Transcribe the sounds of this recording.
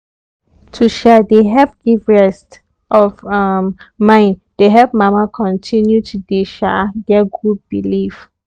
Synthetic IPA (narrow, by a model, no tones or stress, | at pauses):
tʰuʃɛdeɦɛlp̚ɡ̥ivɹɛst | ʔɔvammãɪ̃nd̥eɦɛlp̚mamakʰɔ̃ntʰĩnjutʰudeʃaɡɛɡud̚bilif